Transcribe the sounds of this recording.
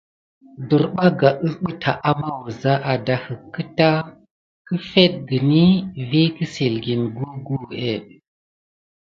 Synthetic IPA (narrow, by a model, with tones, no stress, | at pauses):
du˨ɾɓa˦ɡa˨ʔə˦sɓə˦tʰa˨ʔa˦ma˦wu˨za˦ʔa˨da˨hə˨kːə˦ta˦ | kə˦fe˦t̚ɡi˨ni˦vi˦kə˦si˨lɡi˨nɡu˦ɡu˦e˦˨